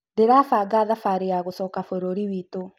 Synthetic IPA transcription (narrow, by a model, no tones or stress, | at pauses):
deɾafaɡaðafaɾejaɣosɔːkafoɾoɾiwiːto